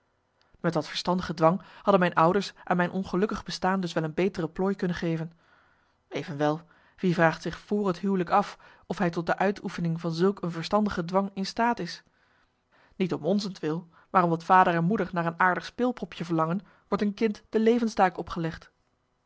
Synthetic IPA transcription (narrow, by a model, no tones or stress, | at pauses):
mɛtʋɑtfəɹstɑndəχədʋɑŋhɑdənmɛjnʔʌwdəɹsʔa̰ːnmɛjnʔɔnχəlɵkəχbəstaːndɵsʋɛlˠənbejtərəplɔjkɵnənχejvən | ejvənʋɛlˠ | ʋivraːχtsɪχfʊːrɦətɦywləkɑf | ɔfɦɛjtɔt̚dəʔœɥtʰufənɪŋvɑnzɵlˠkənvəɹstɑndəχədʋɑŋɪnstaːtɪs | nitɔmɔnzəntʋɪlˠ | maːrɔmdɑtfaːdərɛnmudəɹnaːrənaːɹdəχspɪːlˠpɔpʰjəvəɹlɑŋən | ʋɔɹtənkɪntd̥əlejvənstaːkɔpχəlɛχt